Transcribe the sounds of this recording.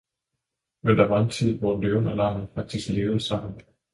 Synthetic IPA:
mend̥æʋɑ̈ent͡sʰið̞̰ˠʋɒdøʊnælɑ̈mn̩fɑ̈ɡ̥̚d̥isɡ̥le̝ːʊð̩ˠsɑ̈m̰n̩

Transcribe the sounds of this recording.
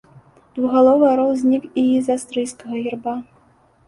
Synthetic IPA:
d̪̥vuɣalˠɔvɨjɐɾɔwzʲnʲikiizast̪ɾɨjskɐɣɐɣʲirba

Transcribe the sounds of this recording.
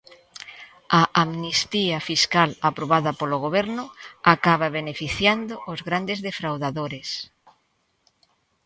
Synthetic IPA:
aʔamnist̪iafiskalapɾoβ̞aðɐpoloɣ̞oβ̞ɛɾnʊakaβ̞aβenefiθjand̪oʔozɣɾand̪ezðefɾawðaðoɾes

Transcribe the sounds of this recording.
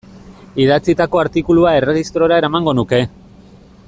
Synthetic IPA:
iðat͡sit̪ako̞aɾt̪ikuluae̞re̞ɣist̪ɾo̞ɾae̞ɾamaŋɡo̞nuke̞

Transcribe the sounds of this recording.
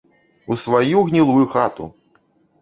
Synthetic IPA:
usvajuɣnʲilˠujuxat̪ṵ

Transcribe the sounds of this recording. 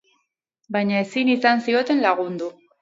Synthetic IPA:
bajɲae̞sinisansio̞t̪e̞nlaɣ̞und̪u

